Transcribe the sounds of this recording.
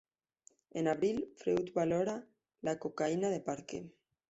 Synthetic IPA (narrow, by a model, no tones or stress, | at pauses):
enaβɾilfɾewt̪βaloɾa | lakokainaðepaɾkḛ